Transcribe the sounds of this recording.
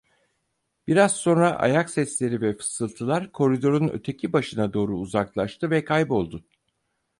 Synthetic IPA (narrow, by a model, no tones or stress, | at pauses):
b̥iɾaz̥so̞nɾaʔa̰jaksɛslʲe̞ɾivɛfɯ̥sɯlˠt̪ʰɯlˠaɾkʰo̞ɾid̪o̞ɾunø̰t̪ʰe̞cʰibaʃɯnad̪o̞ːɾuːzaklˠaʃt̪ʰɯvɛkʰajbo̞lˠd̪ʊ